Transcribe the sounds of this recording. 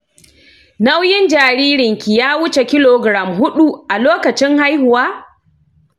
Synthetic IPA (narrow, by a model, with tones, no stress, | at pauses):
na˦wjɪ˦nd͡ʒaː˨ɾiː˦ɾɪ˨ŋkʲi˨jaː˦wʊ˦t͡ʃe˨kʲɪ˦loː˨ɡɾa˨mɦʊ˦ɗu˦˨ʔa˨loː˦kɐ˨t͡ʃɪ˦ŋha˦jhʊ˨waː˦